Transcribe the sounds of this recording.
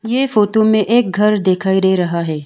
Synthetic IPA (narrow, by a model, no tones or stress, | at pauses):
jeːfoːʈomẽʔeːk̚ɡʱɐɾd̪eːkʰaːiɾeːɾɐɦaɦɛː